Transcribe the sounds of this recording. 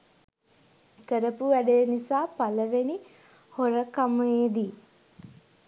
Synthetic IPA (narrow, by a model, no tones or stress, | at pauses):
kəɾəpuʋæɖejnisaːpaləʋeni | hoɾəkaməeːd̪i